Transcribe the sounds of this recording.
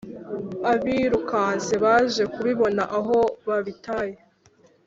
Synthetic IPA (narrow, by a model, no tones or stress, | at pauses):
aβiɾukaːnse̞βaːʒe̞kuβiβo̞naʔaɦo̞βaβitaːje